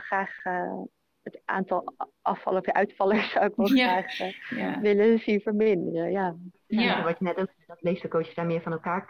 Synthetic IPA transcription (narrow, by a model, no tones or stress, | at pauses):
χraːχə | ətʔa̰ːntɑlˠʔɑfɑ̰lˠəɔfjəʔœɥtfɑləɹsawɪkʋɛlˠχraːχəʋɪləsifəɹmɪndərəja | sɛfəʋɑənɛtowksɛdɑtlejfdəkowtəsdaːɹmɪːɹvɑnɛlˠkaːɹ